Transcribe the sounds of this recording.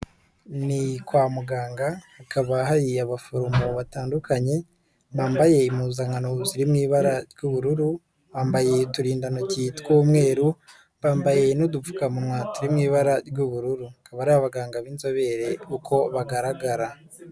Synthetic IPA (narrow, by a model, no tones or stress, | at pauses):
nikwaːmuɡaːŋɡahakʰaβaɦaɾiaβafoɾumoβataːndukʰaɲe̞ | βaːmbaje̞imuzaŋanoziɾimŋiːβaɾaɾɡuβuɾuɾu | βaːmbaje̞tuɾiːndanocitkoːmŋe̞ːɾu | βaːmbaje̞nodufu̥kamumŋatuɾimŋiːβaɾaɾɡuβuɾuɾuakaβaɾaβaβaɡaːŋɡaβiːnzo̞βe̞ɾe̞ukʰo̞βaɡaɾaɡaɾa